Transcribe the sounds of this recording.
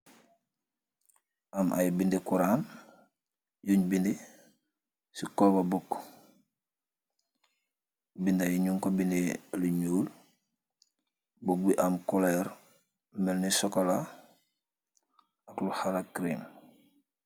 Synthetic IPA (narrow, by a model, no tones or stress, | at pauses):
amʔa̰jbindekuɾaːm | juɲbindi | sikolbabukː | bindajiɲuŋkobindiluɲuːl | buk̚biʔamkuleɾ | melnisokola | akluhalakɾim